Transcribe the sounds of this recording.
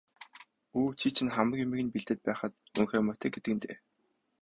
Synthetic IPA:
uːt͡ɕʰiːt͡ɕʰɪ̆nχamə̆kjɵmɘ̆ɣɘ̆npiɮt̪ɘ̆t̪̚pæːχə̆t̪uŋxeːmœt̪ʰeːɡet̪ɘ̆kɘ̆nt̪ʰeː

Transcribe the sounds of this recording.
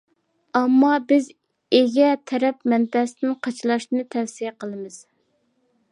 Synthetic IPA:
ɑmːɑbɪz | eɡʲɛt̪ʰɛɾɛpmɛnt̪ɛsɪnɪnqʰɑt͡ʃʰlˠɑʃɨnɨt̪ʰɛfsijɛqəlˠɨmɨz̥

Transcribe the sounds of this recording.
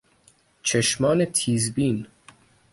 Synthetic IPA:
t͡ʃʰeʃmɒːne̞t̪ʰiːzbiːn

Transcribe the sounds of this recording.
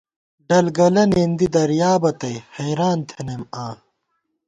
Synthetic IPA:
ɖɐlɡɐlɐnend̪id̪ɐɾjaːbɐt̪ɐjhɐjɾaːnt̪ʰenemaː

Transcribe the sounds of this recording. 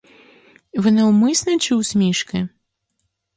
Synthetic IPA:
vɨnɛwmɨsnɐt͡ʃɨwsʲmʲiʂkɪ

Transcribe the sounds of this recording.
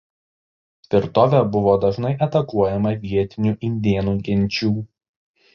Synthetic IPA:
sʲʋʲɪɾt̪oːʋʲɛbʊʋoːd̪ɐʒnɐɪʔɛt̪ɐkuɔjɛmɐʋʲiɛt̪ʲɪnʲuˑʔɪnʲd̪ʲeɛnuːɡʲɛnʲˑt͡ʃʲuː

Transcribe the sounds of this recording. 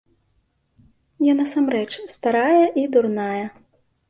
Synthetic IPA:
janɐsamɾɛt͡ʂst̪aɾajɐʔid̪urnajɐ

